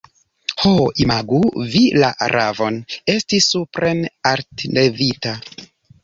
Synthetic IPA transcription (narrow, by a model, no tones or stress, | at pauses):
hoimaɡuvila̰ʔa̰ɾʔavo̞ne̞stisːupɾʔenaɾtnevita